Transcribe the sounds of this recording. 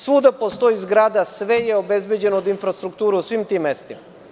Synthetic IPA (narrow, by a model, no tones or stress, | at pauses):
suːd̪apost̪o̞izɡɾaːd̪asʋejeobezbed͡ʑenoːd̪infɾast̪ɾukt̪uːɾeusʋimt̪imːest̪ima